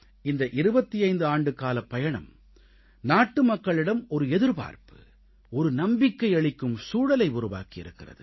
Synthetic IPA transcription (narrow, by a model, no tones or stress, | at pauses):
ɪnd̪ɐʔɪɾɯbɐt̪ːiɐɪnd̪ɯaːɳɖɯkaːlɐpːɐjɐɳɐm | naːʈːɯmɐkːɐɭɪɽɐmɔɾɯɛðɯɾpa̰ːɾpɯ̥ | ɔɾɯnɐmbɪkːɐɪɐɭɪkːɯmsuːɽɐlɐɪʊɾʊʋa̰ːkɪɪ̰ɾɯkːɪrɐ̰ðɯ